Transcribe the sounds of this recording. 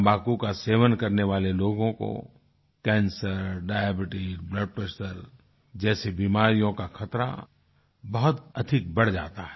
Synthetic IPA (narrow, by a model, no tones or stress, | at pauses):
baːkukaseːʋənkɐɾneʋaːleloːɡõko̰ | kɛ̃ːnsəɾɖaːjebɪʈibləɖ̚pɾeʃəɾ | d͡ʒɛːsebimaːɾijõkaxʰɐt̪ɾa̰ | bɐɦʊt̪ɐd̪ʱɪk̚bɐɽd͡ʒaːt̪aɦɛ